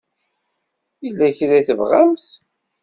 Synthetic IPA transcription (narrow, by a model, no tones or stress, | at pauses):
ilːæçɾæθəvʁamθ